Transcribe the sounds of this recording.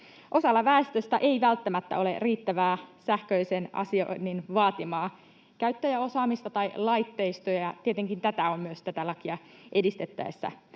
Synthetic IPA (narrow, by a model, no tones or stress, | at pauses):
ʔo̞sɑlːɑʋæːst̪øst̪æʔeiʋælt̪ːæmæt̪ːæ̰o̞le̞̰riːt̪ːæʋæːsæhkøisenɑ̰sio̰nːinʋɑːt̪imɑː | kæyt̪ːæjæo̞sɑːmist̪ɑt̪ɑjlɑjt̪ːe̞ist̪ojɑjɑt̪iet̪eŋkint̪æt̪æo̞mmyøst̪æt̪ælɑkiɑʔedist̪et̪ːæ̰esːæ̰